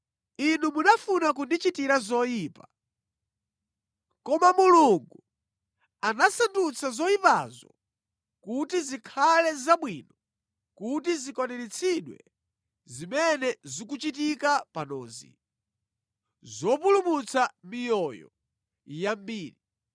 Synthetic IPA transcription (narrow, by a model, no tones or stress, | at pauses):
inumunafunak̬undit͡ʃitiɾazɔjiːpa | kɔmamuluŋɡu | anasandut͡sʰazɔipa̰zɔ̰ | kutizikʰalɛzaɓwinɔ | kutizikɔnɛɾit͡sʰiɗwɛ̰ | zimɛnɛzikut͡ʃitikapanɔːzḭ | zɔpulumut͡sʰamijɔjɔ̰ | jambiːɾi